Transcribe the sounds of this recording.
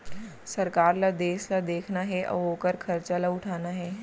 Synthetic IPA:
sɐɾkaːɾlad̪eːslad̪eːkʰnaɦɛʔɔ̰oːkəɾkʰɐɾt͡ʃalaʊʈʰaːnaɦɛː

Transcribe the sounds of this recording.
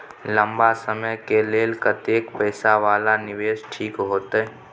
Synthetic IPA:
lə̃mbasəməjkeleːlkət̪eːkpəɪsaʋaːlanɪʋeːʃʈʰiːkɦoːt̪ː

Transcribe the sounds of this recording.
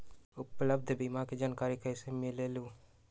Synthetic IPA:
ʊpləb̚d̪ʱbimaked͡ʒaːnkaːɾikəisemɪleluː

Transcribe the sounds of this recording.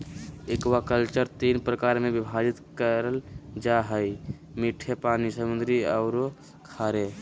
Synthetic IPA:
ekwakəlt͡ʃəɾt̪inpɾəkaɾmebibʱaɾit̪kəɾəld͡ʒaɦəj | miʈʰepanisəmund̪ɾiəʊɾo | kʰaɾe

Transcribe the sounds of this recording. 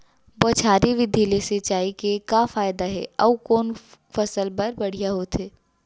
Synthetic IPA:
bɔːt͡ʃʰaːɾiʋɪd̪ʱileset͡ʃaːikekaːfaːjd̪aɦɛ̰ːɐkɔːnfɐsəlpɐɾbɐɽ̤ijaɦot̪ɦeː

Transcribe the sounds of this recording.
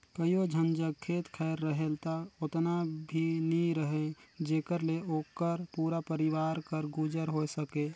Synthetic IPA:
kəiod͡ʒʱənd͡ʒəɡkʰeːt̪kʰɛɾːəɦelt̪aot̪nabʱiniɾəɦed͡ʒeːkəɾleoːkəɾpuːɾapəɾiwaːɾkəɾɡud͡ʒəɾɦosəke

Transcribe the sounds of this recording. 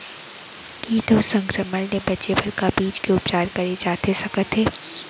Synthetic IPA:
kit̪osɐ̃ŋkɾəməlnebɐtːt͡ʃebʱɐɾkabiːd͡ʒkeʊp̚t͡ʃaːɾkɐɾed͡ʒaːt̪esɐkət̪ɦeː

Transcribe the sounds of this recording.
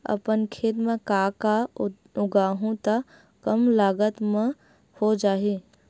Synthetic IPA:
ə̰pənkʰeːt̪mẽkaka | ʊɡaːɦũt̪ə | kəmlaːɡət̪mẽ | hod͡ʒaːɦi

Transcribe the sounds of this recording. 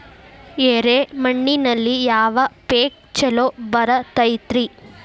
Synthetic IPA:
eːɾemɐɳːinɐlːijaːʋɐpeːk̚t͡ʃɛlobɐɾɐt̪ɐjt̪ɾi

